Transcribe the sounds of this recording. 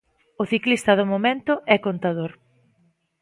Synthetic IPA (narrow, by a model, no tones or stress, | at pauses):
ʊθiklist̪ɐðʊmomẽnt̪ʊɛkont̪aðoɾ